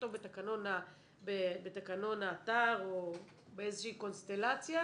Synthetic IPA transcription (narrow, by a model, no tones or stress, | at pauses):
tobet̪akano̞na | bebet̪akano̞naːt̪aʁo | beezeʃiːko̞nst̪e̞lat͡sja